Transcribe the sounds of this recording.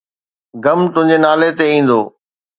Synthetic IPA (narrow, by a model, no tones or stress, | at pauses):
ɡɐmt̪ʊ̃ɦɪ̃ɲd͡ʑenaːlet̪eĩːn̆d̪oː